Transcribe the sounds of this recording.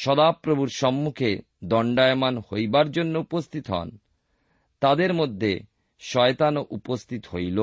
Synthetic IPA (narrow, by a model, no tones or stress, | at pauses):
ʃɔd̪apɾobʱuɾʃɔmːukʰe | d̪ɔɳɖaemanhojbaɾd͡ʑonːoupost̪ʰit̪ɦɔ̰n | t̪ad̪eɾmod̪ʱːe | ʃɔet̪anoʔupost̪ʰit̪ɦojlo